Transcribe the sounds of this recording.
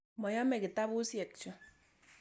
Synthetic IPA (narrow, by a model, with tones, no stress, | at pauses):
mɔ˨jɔ˦mɛ˨kɪ˨t̪a˦bu˦sjɛ˨k̚t͡ʃʊ˨